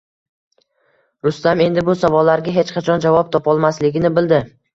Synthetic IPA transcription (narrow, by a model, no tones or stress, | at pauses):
ɾʊst̪ame̞nd̪ɪbʊsavɒlːaɾɡʲaɦe̞t͡ʃqʰat͡ʃʰɒnd͡ʒavɒp̚t̪ʰɒpɒlˠmaslɪɡʲɪnɪbɪld̪ɪ